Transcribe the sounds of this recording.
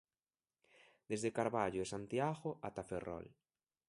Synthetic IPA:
d̪̥ezðekaɾβaʎoesant̪jaɣoʔat̪aferɔ̰l

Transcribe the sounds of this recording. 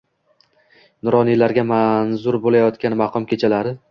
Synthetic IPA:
nʊɾɒnilaɾɡʲamanzʊɾbolajɒt̪kʲanmɑqʰɒmkʲʰe̞t͡ʃʰalaɾɪ

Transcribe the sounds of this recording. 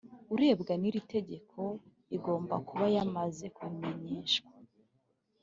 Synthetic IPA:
uɾe̞ːbɡaniɾite̞ɟe̞kʰo̞ | iɡo̞ːmbakuβajamaze̞kwimeɲeːʃkwa

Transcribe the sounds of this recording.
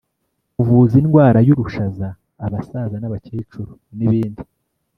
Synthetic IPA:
uvuzinɡwaːɾajuɾuʃazaː | βasazanaβaceːt͡ʃuɾuniβiːndi

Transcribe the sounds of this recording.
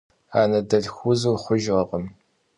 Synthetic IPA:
aːnɐdɐɮxʷuzuːχʷʊʒʁɐqʼəm

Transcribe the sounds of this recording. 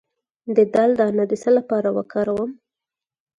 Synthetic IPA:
d̪əd̪ald̪ɑnad̪isəlapɑɾawə̰kɑɾawəm

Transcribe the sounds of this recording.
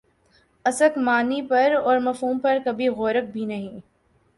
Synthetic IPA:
ɐsəkmaːnipɐɾɔːɾmɐfɦuːmpɐɾkɐbʱiɣoːɾək̚bʱinɐɦĩː

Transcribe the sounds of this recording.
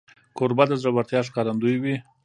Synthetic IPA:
koɾbad̪azɾabaɾt̪jɑʂkɑɾand̪ujwi

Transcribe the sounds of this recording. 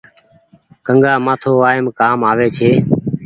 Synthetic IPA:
kəŋɡaːmaːt̪ʰoːaːɪmkaːmaːʋeːt͡ʃʰeː

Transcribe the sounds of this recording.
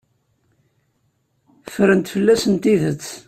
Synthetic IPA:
fəɾənt̪fəlːæsənt̪iðət͡sː

